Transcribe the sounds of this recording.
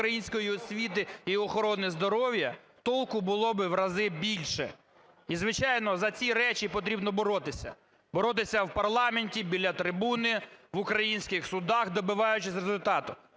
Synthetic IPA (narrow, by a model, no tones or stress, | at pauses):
ɾɐjinʲsʲkɔjiɔsʲʋʲit̪ɪiɔxɔɾɔnɪzd̪ɔɾɔwjɐ | t̪ɔlˠkʊbʊlˠɔbɪʋɾɐzɪbʲilʲʃɛ̰ | izʋɪt͡ʃɑjnɔzɐt͡sʲiɾɛt͡ʃipɔt̪̬ɾʲibnɔbɔɾɔt̪ɪsʲɐ̰ | bɔɾɔt̪ɪsʲɐwpɐrlˠɑmenʲtʲibʲilʲːɐt̪ɾɪbunɪʋʊkɾɐjinʲsʲkɪxsʊd̪ɑxd̪ɔbɪʋɑjʊt͡ʃɪsʲrezʊlʲt̪ɑt̪ʊ